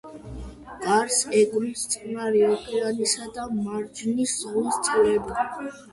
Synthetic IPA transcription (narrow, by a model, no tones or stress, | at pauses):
ɡʼaɾsɛɡʼmist̪sʼnaɾiɔpʰʼɛɾanisad̪amaɾd͡ʒniszʁust̪sʼiɾɛbi